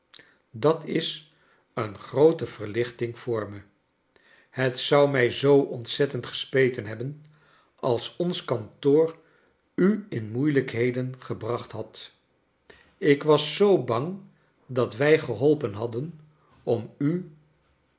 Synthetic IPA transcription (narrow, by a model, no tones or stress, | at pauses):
dɑtʰɪs | ənχrowtəv̥əɹlɪχtɪŋv̥ʊːɹmə | hətsʌwmɛjzowɔntsɛtəntχə̥spejtənɦɛbən | ɑlˠsɔnskɑntʊːr | yɪnmujləkɦejdənχəbrɑχtɦɑt | ɪkʋɑsːowbɑŋ | dɑtʋɛjχəɦɔlˠpənɦɑdən | ɔmy